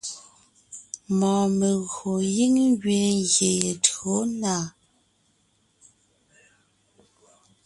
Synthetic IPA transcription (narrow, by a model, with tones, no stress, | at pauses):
mɔː˨me˨ɣo˨ji˦ŋɡɥe˨ŋɣje˨je˨tɰo˨˦na˨